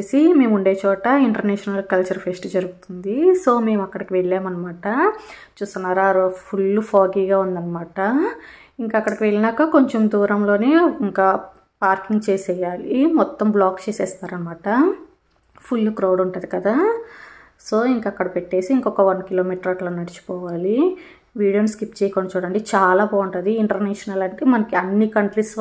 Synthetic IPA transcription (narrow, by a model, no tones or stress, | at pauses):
esime̞ːmuɳɖe̞ːt͡ʃɔːʈɐiɳʈɐɾnɛːʃɐnɐlkɐlt͡ʃɐɾpʰesʈud͡ʒɐɾuɡut̪und̪iso̞ːme̞ːmɐkːɐɽikiʋeɭːeːmɐnɐmaːʈɐt͡ʃuːst̪unːaːɾaɾopʰuɭlːupʰaːɡiːɡaːund̪ɐnːɐmaːʈɐ | iŋkaɐkːɐɽɐkiʋe̞ɭːinɐkːako̞ɲt͡ʃemd̪uːɾɐmlo̞ːneiŋkaː | paːɾkiŋɡt͡ʃeːsɛːjaːlimɔt̪ːɐmblaːkt͡ʃeːsɛːst̪aːɾɐnːɐmaːʈɐ | pʰulːukɾɐwɽuɳʈaːd̪ikɐd̪aː | so̞ːiŋkɐkːɐɽɐpeʈːe̞ːsiːŋkɔkɐʋɐnkilo̞ːmiːʈɐɾɐʈloːnɐɽit͡ʃu̥pɔːʋaːli | ʋiːɽijɐnskipt͡ʃɛːjkɔːnːɐt͡ʃuːɽɐɳɖeːt͡ʃaːlaːbaːuɳʈɐːd̪iiɳʈɐɾnɛːʂɐnɐlɐɳʈeːmɐnɐkiɐnːikɐɳʈlis